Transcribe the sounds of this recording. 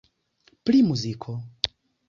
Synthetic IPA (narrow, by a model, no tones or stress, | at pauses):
plimuzikʰɔ